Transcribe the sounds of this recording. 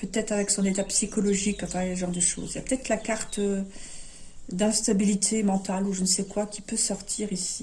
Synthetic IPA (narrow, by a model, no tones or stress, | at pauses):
pøt̪ɛt̪χavɛksɔ̃net̪apsikɔlɔʒikːãt̪avjsəʒɑ̃ʁd̪əʃo̰ːziljapø̥t̪ɛt̪χlakaʁt̪ | d̪ɛ̃st̪abilit̪ʰemɑ̃t̪aluʒənəsɛkwakʲipøsɔʁt̪ʰiʁisi